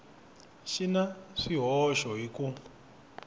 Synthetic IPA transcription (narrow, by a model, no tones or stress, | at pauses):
ʃinaʂiɦɔʃɔɦiku